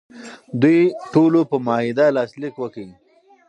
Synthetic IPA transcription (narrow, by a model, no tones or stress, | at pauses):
d̪ujʈolopəmɑhid̪alɑːslikwəkəi